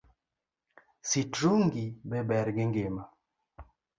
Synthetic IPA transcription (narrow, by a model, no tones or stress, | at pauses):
sitɾuŋɡibɛbɛɾɡɪŋɡɪma